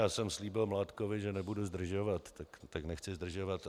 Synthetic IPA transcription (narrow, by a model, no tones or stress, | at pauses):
jaːsɛmsliːbɪlmlaːt̪kovɪʒɛnɛbuduzd̪r̩ʒovat̪ːakt̪aknɛxt͡sɪzd̪r̩ʒovat̪